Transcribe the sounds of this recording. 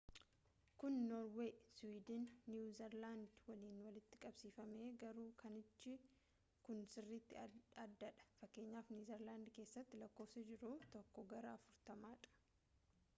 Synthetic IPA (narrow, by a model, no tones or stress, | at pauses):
kʊnːoːɾweːswiːd̪ɪnːjuːzɛɾland̪wɐliːnwɐlɪt̪ːɪ̥kʼɐbsiːfɐme̞ːɡɐɾuːkʰɐnɪt͡ʃːɪ | kʊnsɪrːit̪ːɪɐd̪ːɐᶑɐ̥fɐkːe̞ːɲːaːfnjuːzɛɾlaːnd̪ke̞ːsːɐt̪ːɪlɐkːo̞ːfsɪd͡ʒɪɾut̪ɔkːɔɡɐɾɐɐfʊɾt̪ɐmaːᶑɐ̥